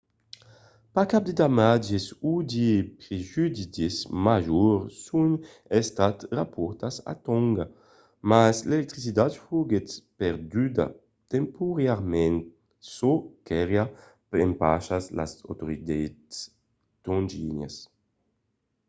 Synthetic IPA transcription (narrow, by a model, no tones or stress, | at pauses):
pakap̚d̪ed̪amad͡ʒesud̪ipɾeʒyd̪it̪ismaʒuɾsun | ɛst̪at̪rapɔɾt̪asa̰t̪ɔŋɡa | maslelɛk̚t̪ɾisid̪at̪fuɡet̪pɛɾd̪yd̪a̰ | t̪empuɾaɾmɛ̃nt̪ | sokɛɾja | pḛmpaʃasla̰sa̰wt̪oɾid̪ets | t̪õnd͡ʒiɲa̰s